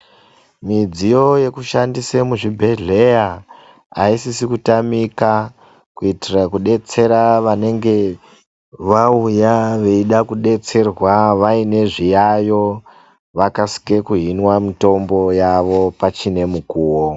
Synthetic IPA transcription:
mid͡zijo̞je̞kuʃandisemuʐibʱe̞ɮe̞ja | aisisikutamika | kuitirakuɗe̞t͡se̞ɾaʋane̞ŋɡe̞ | ʋaujaʋe̞iɗakuɗe̞t͡se̞rwaʋaine̞ʐijajo̞ | ʋakasi̥ke̞kuɦinwamito̞mbo̞jaʋo̞pat͡ʃine̞mukuːwo

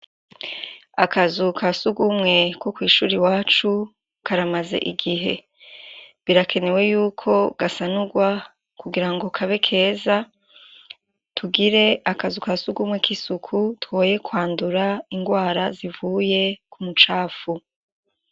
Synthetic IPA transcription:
akazukʰasuɡumŋe̞kwokwiːʃuːɾiwaːt͡ʃu | kʰaɾamaze̞̰ʔiɡiɦe̞̰ | βiɾakʰe̞ne̞we̞juːkʰo̞ɡasanuɡwa | kuɡiɾaŋɡo̞kʰaβe̞kʰe̞ːza | tʰuɡiɾe̞akazukasuɡumŋe̞kisukʰutwoje̞kwaːnduɾaiŋɡwaːɾazivuːje̞kumut͡ʃaːfu

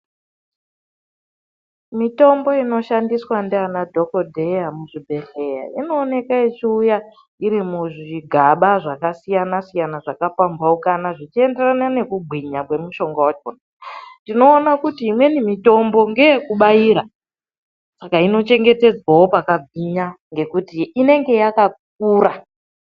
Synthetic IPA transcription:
mito̞mbo̞ino̞ʃandiswandeanadʱo̞ko̞dʱe̞jamuʐibʱe̞ɬe̞ja̰ino̞ːne̞kaet͡ʃiuja | iɾimuʐiɡʱaɓaʐakasijanasijanaʐakafambwaukanaʐit͡ʃie̞nderanane̞kubʱiɲakwe̞muʃo̞ŋɡawat͡ʃonandino̞ːnakutiːmwe̞nimito̞mbo̞ŋɡe̞jekuɓajiːɾa | sakaino̞t͡ʃe̞ŋɡe̞te̞d͡zwawo̞pakaɡʱwiɲaŋɡe̞kutiːne̞ŋɡe̞jakak̚uːɾa

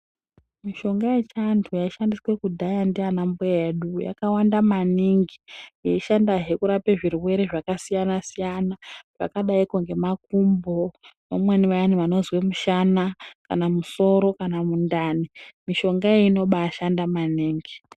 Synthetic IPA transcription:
miʃo̞ŋɡajet͡ʃantʰujaiʃandiswe̞kudʱajandianambojeɗuja̰kawandamaniŋɡijeiʃandaɦe̞kuɾapeʐirwe̞ɾe̞ʐakasijanasijanaʐ̥a̰kaɗaikuŋɡe̞mak̚umbo̞namweniʋajaniʋano̞zwemuʃanaka̰namuso̞ɾo̞kanamundaːnimiʃo̞ŋɡaeino̞ɓaːʃandamaniːŋɡi

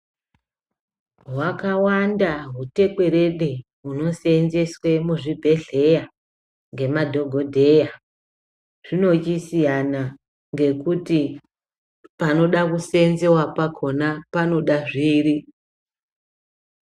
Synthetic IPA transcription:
ɦwakawandaɦute̞kwe̞ɾe̞ɗe̞ | ɦuno̞senze̞swe̞muʐibʱe̞ɮe̞ja | ŋɡe̞madʱo̞ɡʱo̞dʱe̞ja | ʐ̥ino̞t͡ʃisijana | ŋɡe̞kuti | pano̞ɗakusenzewapakʰo̞napano̞ɗaʐiːri

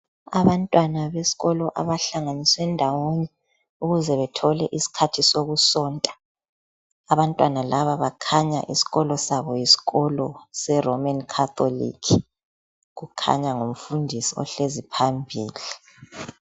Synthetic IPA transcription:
a̰βantʼwanaβesi̥ɣɔlɔʔa̰βaɬaŋaniswɛndʱawoɲɛ | uɣuzɛβɛtʰɔlɛʔisi̥kʰatʰisoɣusɔːntʼḁ | aβantʼwanalaβaβakʰaɲa̰ʔisi̥ɣɔlɔsaβɔjisi̥ɣɔlɔsɛromankʰaθo̰lḭkʰ | ɣukʰa̰ɲaŋoɱfundʱisiɔ̰ɬezipʰambʱiːli

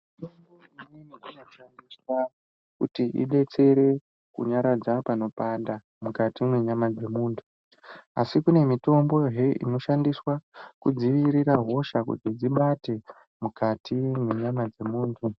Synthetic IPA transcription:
itomboiininiino̞ʃandiswa | kṵtiʔḭɓe̞t͡se̞ɾe̞ | kṵɲaɾad͡zapano̞panda | mukatimwe̞ɲamad͡ze̞muːntʰu̥ | asikune̞mito̞mbo̞ɦeḭno̞ʃandiswakud͡ziʋiɾiraɦo̞ʃakṵted͡ziɓate̞ | mukatʰimwe̞ɲamad͡ze̞muːntʰu

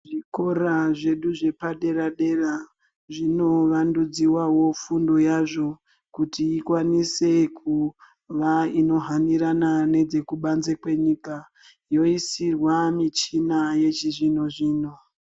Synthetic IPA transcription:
ʐiko̞ɾaʐe̞ɗuʐe̞paɗe̞ɾaɗe̞ra | ʐino̞ʋandud͡ziwawo̞fundojaʐo̞ | kutiːkwanise̞kʰu | ʋaino̞ɦaniɾanane̞d͡ze̞kuɓanzekwe̞ɲiːka | jo̞isirwamit͡ʃinaje̞t͡ʃiʐino̞ʐiːno

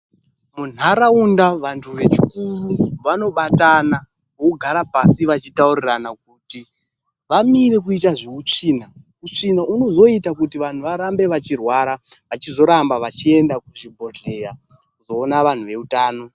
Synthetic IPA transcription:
mun̤aɾaundaʋantʰuʋe̞t͡ʃikumiʋano̞ɓatana | ouɡʱaɾapasiʋat͡ʃitauriranak̚uti | ʋamire̞k̬uitaʐeut͡ʂiːna | ut͡ʂinaʔuno̞zo̞itakutiʋan̤uʋaɾambe̞ʋat͡ʃirwaɾaʋat͡ʃizo̞ɾambaʋat͡ʃie̞ndakuʐibʱo̞ɮe̞ja | kuzo̞ːnaʋan̤uʋe̞utaːno̞

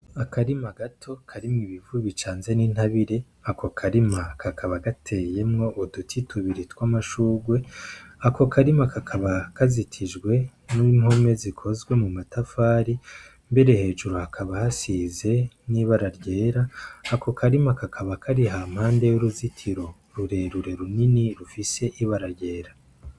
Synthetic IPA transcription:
akaɾimaɡatʰo̞kʰaɾimŋiβivuβit͡ʃaːnze̞niːn̥haβiɾe̞ | akʰo̞kʰaɾimakʰakʰaβaɡatʰeje̞mŋo̞ʔudutʰitʰuβiɾitwamaʃuːɡwe̞ako̞kaɾimakakʰaβakazitʰiʒɡwe̞ | nuimho̞me̞zikʰo̞zɡwe̞mumatafaːɾi | mbe̞ɾe̞he̞ːʒuɾohakʰaβahasize̞niβaɾaɾɟe̞ːɾaːko̞kʰaɾimakakʰaβakʰaɾiɦaːmhaːnde̞juɾuzitʰiɾo̞ | ɾuɾe̞ɾuɾe̞ɾuniniɾufise̞ʔiβaɾaɾɟe̞ːɾa

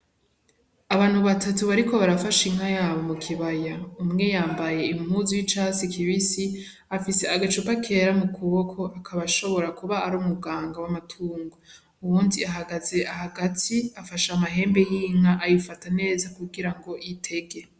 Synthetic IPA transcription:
aβaːn̥huβatatuβaɾiko̞βaɾafaʃimajaːβo̞mukʰiβajaumŋe̞jaːmbaje̞immhuzijit͡ʃasikʰiβisi | afise̞aɡat͡ʃupakʰe̞ːɾamukʰuβokʰo̞akʰaβaʃo̞βo̞ɾakuβaːɾumubɡaːŋɡawamatʰuːŋɡo | uβuːndiaɦaɡaze̞aɦaɡatʰiafaʃamaɦe̞ːmbejiːŋŋaʔajifatane̞ːzakuɡiɾaŋɡo̞ʔitʰe̞ɡe̞

